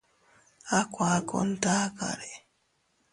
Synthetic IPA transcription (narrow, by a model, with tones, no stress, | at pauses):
a˦kwaː˨˦ko̰˦n̩˦ta˦ka̰˨ɾe˨